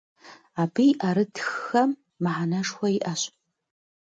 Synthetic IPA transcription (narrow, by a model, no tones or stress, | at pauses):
aːbijʔaːɾɨtʰxːɐmː | ɨħanɐʂxʷɐiʔɐɕ